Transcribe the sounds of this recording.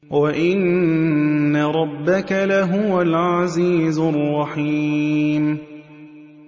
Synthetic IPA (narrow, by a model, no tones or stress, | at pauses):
waʔɪnː | aɾˤɑbːakalaɦʊwalʕaziːzrˤːɑħiːm